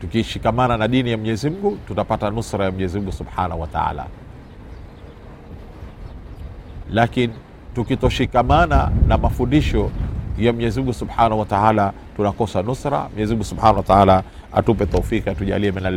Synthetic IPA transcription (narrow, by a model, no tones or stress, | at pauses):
tukiʃikamananaɗinijam̩ɲɛzim̩ɡututapatanusɾajam̩ɲɛzim̩ɡusubħa̰nahuwata̰a̰ːla̰ | lakini | tukitɔʃikamana̰namafundiʃɔjam̩ɲɛzim̩ɡusubħanahuwataala | tunakɔsanusɾa̰m̩ɲɛzim̩ɡusubħanawataala | a̰tupɛt̪aufikatuʄa̰liɛmɛnal